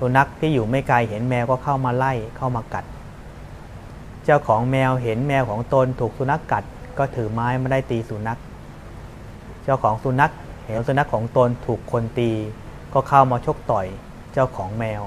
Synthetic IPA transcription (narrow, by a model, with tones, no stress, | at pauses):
su˨˦na˦˥k̚t̪ʰiː˥˩juː˨˩ma˥˩jkla˧jhe˩˦nmɛː˧wkɔː˥˩kʰa˥˩wmaː˧la˥˩jkʰa˥˩wmaː˧ka˨˩t̪̚ | t͡ɕaː˥˩wkʰɔː˩˦ŋmɛː˧wɦe˩˦nmɛː˧wkʰɔː˩˦ŋt̪o˧nt̪ʰuː˨˩k̚su˨˧˦na˦˥kːa˨˩t̪̚kɔː˥˩t̪ʰɯː˩˦maː˦˥jmaː˧daː˥˩jt̪iː˧suː˨˩˦na˦˥k̚ | t͡ɕaː˥˩wkʰɔː˩˦ŋsu˨˦na˦˥k̚he˨˩˦ŋsu˧˦na˦˥kʰːɔː˩˦ŋt̪o˧nt̪ʰuː˨˩kʰːo˧nt̪iː˧kɔː˥˩kʰaː˥˩wmaː˧t͡ɕʰo˦˥k̚t̪ɔ˨˩j | t͡ɕaː˥˩wkʰɔː˩˦ŋmɛː˧w